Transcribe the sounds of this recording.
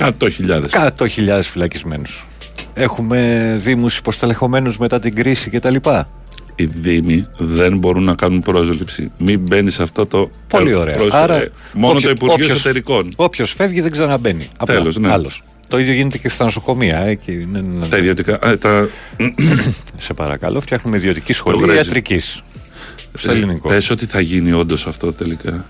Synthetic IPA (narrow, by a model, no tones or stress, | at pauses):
kɐt̪oçiʎɐðeskɐt̪oçiʎɐðe̞sfilɐcizme̞̰nus | e̞xume̞ðimusi̥post̪ele̞xo̞me̞nuzme̞t̪ɐt̪iɡɾisice̞t̪ɐlipɐ | iðimiðenbo̞ɾunːɐkɐnunpɾo̞zlipsḭmibe̞niseɐft̪ɐt̪o | polio̞ɾe̞ɐoɐɾɐ | moonot̪oipuɾioosost̪eɾiko̞no̞pço̞sfe̞vʝiðeɡzeɾɐnɐbe̞nḭɐt̪elosneɐlos | t̪o̞iðjo̞ʝinet̪ecest̪ɐnoso̞ko̞miɐecineɐiðiot̪ikɐʔt̪ɐ | se̞pɐ̰ɾɐ̰kɐ̰lʔo̞ft̪çɐxnumeiðio̞t̪icisxo̞liɾɐɐzt̪ɾicis | st̪olinikopesot̪iθɐʝinio̞nd̪osɐft̪o̞t̪elikɐ